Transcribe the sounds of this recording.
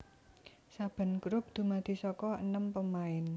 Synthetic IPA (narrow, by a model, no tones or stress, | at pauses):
sab̥ə̤nkɾʊp̚d̪̥ṳmad̪̥i̤sɔkɔə̰nəmpəmaɪn